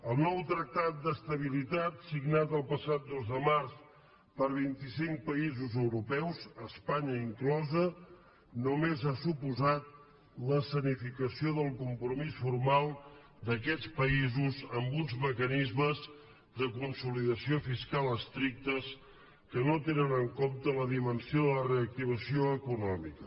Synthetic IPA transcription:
əlˠnɔwt̪ɾək̚t̪at̪̚d̪əst̪əβ̞ilit̪at̪siɡnat̪əlˠpəsat̪̚d̪ozðəmars | pəɾβ̞int̪isiŋk̚pəizuzəwɾupɛwzəspaɲəiŋklɔzə | numezasupuzat̪̚ | ləsənifikəsioðəlˠkumpɾumisfurmalˠ | d̪əkɛt͡spəizuzəmbunzməkənizməz | d̪əkunsuliðəsiofiskalˠəst̪ɾik̚t̪əs | kənot̪enənəŋkomt̪ələðimənsioðələreək̚t̪iβ̞əsioəkunɔmikə

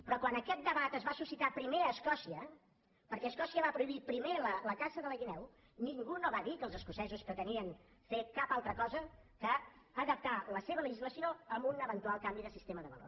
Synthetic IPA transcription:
pɾɔkwanəkɛt̪̚d̪əβat̪əzβasusit̪apɾimeəskɔsiə | pəɾkɛəskɔsiəβapɾuiβipɾimelələkasəðələɣinɛw | niŋɡunoβaðikəːlˠzəskusɛzuspɾət̪əniənfekapalˠt̪ɾəkɔzəkəːðəp̚t̪aləseβələʒizləsioəmbunəβənt̪ualˠkambiðəsist̪eməðəβə̰lo̰

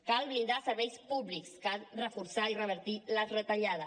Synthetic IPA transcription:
kalβind̪asəɾβɛjspuβlikskalrəfuɾsairəβ̞əɾt̪ilərət̪aʎaðə

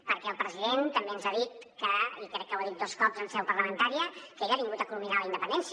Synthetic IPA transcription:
pəɾkɛəlˠpɾəziðent̪əmbeənzaðit̪̚kəikɾɛk̚ːəwəðit̪̚d̪oskɔpzənsɛwpəɾləmənt̪aɾiəkəeʎaβiŋɡut̪əkuluminaləind̪əpənd̪ɛns

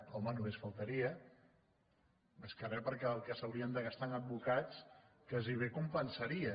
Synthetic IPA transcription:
ɔmənoβesfalˠt̪əɾiə | bəskaɾɛpəɾkɛəlˠkəsɐwɾiənd̪əɣast̪aŋəd̪̚bukat͡s | kaziβ̞ekumpənsɐɾiə

